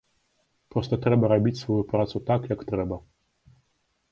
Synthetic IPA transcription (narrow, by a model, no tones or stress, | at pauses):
pɾɔst̪ət̪ɾɛbaɾabʲit̪ʲsvɔjupɾat̪sut̪akjakt̪ɾɛba